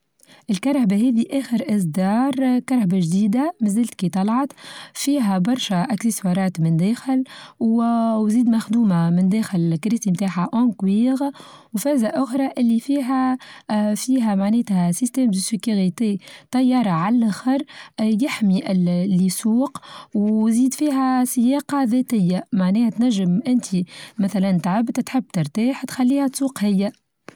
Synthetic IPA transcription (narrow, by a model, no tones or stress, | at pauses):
ʔɪlkɑɾˤhabaɦɛːðiʔæːxəɾʔɪsd̪ɑːɾˤkɑɾˤhabaʒd̪iːd̪amɪzəlt̪̚kit̪ˤɑlʕɑt̪fiːɦæbɑɾˤʃaʔæksɪswɑɾˤɑːt̪mɪnd̪ɛːxɪlwwziːd̪mæxd̪uːmamɪnd̪ɛːxɪlkɾiːsimt̪aːħaʔoŋkwiːɣ | wfɛːzaʔʊxɾˤɑʔɪlːifiːɦæ | fiːɦæmaʕnɛːt̪hæsist̪ɛːmd̪əsɪkuɣit̪et̪ɑjːɑːɾˤɑʕalʔæxɑɾˤjɪħmiʔɪllːisuːqwziːd̪fiːɦæsɪjɑːqɑðɛt̪ɪjːamaʕnɛːhæt̪næʒːɪmʔɪnt̪ʰimæθælænt̪ʕabt̪t̪ħɪbːt̪ɪɾˤt̪aːħt̪xælːiːhæt̪suːqhɪjːæ